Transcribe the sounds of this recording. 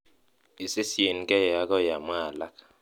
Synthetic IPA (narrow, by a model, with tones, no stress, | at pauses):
i˨se˦si˨e˨n˨kɛ˦ja˨˦kɔ˦ja˨mwaː˦˨la˦k